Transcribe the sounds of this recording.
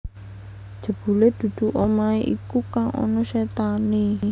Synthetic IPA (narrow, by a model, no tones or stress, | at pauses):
d̥ʒ̥ə̤b̥ṳled̪̥ṳd̪̥ṳʔomaeʔikukaŋʔɔ̰nɔʃet̪ani